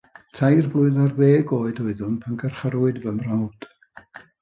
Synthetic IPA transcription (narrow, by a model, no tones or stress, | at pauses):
tʰajrblˠʊɨðarðeːɡoːɨdoɨðʊnpʰanɡərχəɾʊɨdvəmrawd̥